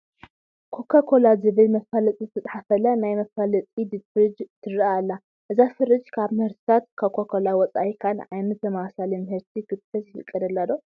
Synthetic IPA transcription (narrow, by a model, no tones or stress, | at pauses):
kʰokʰːakʰo̞lazɨβɨlmɐfalɐt͡sʼizɨt̪ʰɐt͡s̪ʼħafɐlɐnajmɐfalɐt͡sʼid̪ɨd̪fɾɨd͡ʒt̪ʰɨɾialːa | ʔɨzafɨɾɨd͡ʒkʰaβmɨhɨɾt̪ʰi̥t̪ʰat̪̚kʰokʰokʰolawɔt͡sʼa̰jikʰalʕajnɐt̪zɐmawsalimɨhɨɾt̪ʰikɨt̪fɐt̪jɪfɨkʼːɐd̪ɐlːadːo